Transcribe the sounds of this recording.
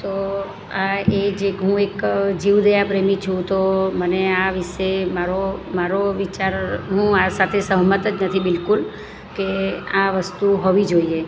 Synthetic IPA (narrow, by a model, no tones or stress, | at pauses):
t̪o | aed͡ʒeɦũekd͡ʒiʋd̪ejapɾemĩt͡ʃʰũt̪oməneaʋiʃemaɾomaɾoʋit͡ʃaɾɦũasat̪ʰesəɦmət̪ət͡ʃnət̪ʰibɪlkul | keaʋəst̪uɦɔʋid͡ʒoie